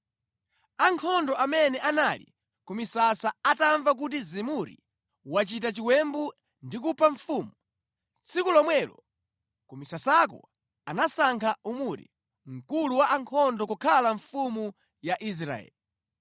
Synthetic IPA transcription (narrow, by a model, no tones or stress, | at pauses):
aŋkʰɔndɔamɛnɛʔanalḭ | kumisasaataɱvak̬ut̬izimuɾḭ | wat͡ʃit̬at͡ʃiwɛmbu | ndik̬upaɱfumu | t͡sʰikulɔmwɛlɔ̰ | kumisasak̬ɔ̰ | anasaŋkʰaumuɾɛ̰ | ŋ̩kuluwaʔaŋkʰɔndɔkukʰalaɱfumu | jaʔis̬ɾa̰ɛ̰li